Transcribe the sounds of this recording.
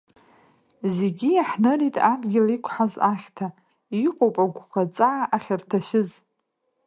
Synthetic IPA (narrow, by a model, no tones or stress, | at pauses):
zeɡʲiaħnɨritʼabɡʲɪlikʷʰħazaχʲtʰa | iqʼowpʼaɡʷχʷat͡sʼaʕaʔaχʲartʰaʃʷᶣɪz